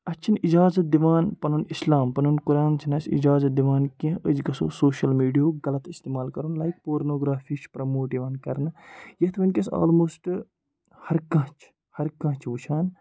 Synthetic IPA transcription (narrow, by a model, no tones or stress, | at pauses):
ɐt͡ʃʰinid͡ʒaːzɐt̪̚d̪iʋaːnpɐnunislaːmpɐnunkuɾaːnt͡ʃʰinɐsḭd͡ʒaːzɐt̪̚d̪iʋaːnkẽəd͡ʒɡɐso̰ːsoːʃɐlmiːɖijoːɡɐlɐt̪ist̪eːmaːlkɐɾunlɐjkpoːɾnoːɡɾaːfʰit͡ʃpɾɐmoːʈiʋaːnkɐɾnɨjɐt̪ʰmɐnʲkʲesa̰ːlmoːsʈ | hɐɾkɐ̃t͡ʃʰ | hɐɾkɐ̃t͡ʃʰʋut͡ʃʰaːn